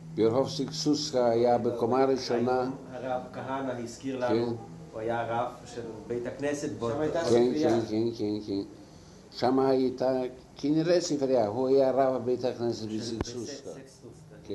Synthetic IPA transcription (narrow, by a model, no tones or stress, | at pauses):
boɾxofsiksuskaːjabekomaɾiʃonaaʁakaɦanaliskiʁlakenhuajaʁavʃelbejt̪aknɛset̪bkenkenkenkenken | ʃamahajit̪a | kiniɾesifɾeaɦuajaɾavabejt̪hakneset̪bisiksuska | ke